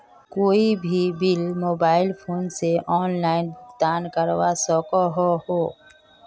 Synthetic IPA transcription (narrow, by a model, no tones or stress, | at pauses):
koːibʱibɪlmoːbaːɪlpʰoːnseʔɔːnlaːɪnbʱʊkt̪aːnkəɾwasɔːkɔɦohoː